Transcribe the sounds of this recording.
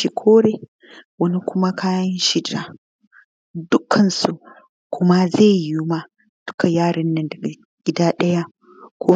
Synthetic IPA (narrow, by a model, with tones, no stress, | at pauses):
i˦˨kʷʰoː˦ɾeː˨ | wɐ˦ni˦kʷʊ˦ma˦kʰaː˦jɐ˦nʃɪ˦da̰ː˨ | dʊ˦kʰɐ˨nsu˨ʔ | kʷʊ˦ma˦zeː˦˨ju˦ma˦ | d̥ʊ˦ka˨jaː˦˨ɽɐ˦nːɐ˨ndɐ˨ɡa˨ | ɡ̥ʲɪ˦daː˦ɗɐ˦ja˦ | kʷʰoː˦